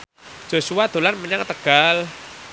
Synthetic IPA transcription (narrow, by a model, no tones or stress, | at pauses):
d͡ʒ̥o̤suwad̪̥o̤lanməɲaŋt̪əɡ̥al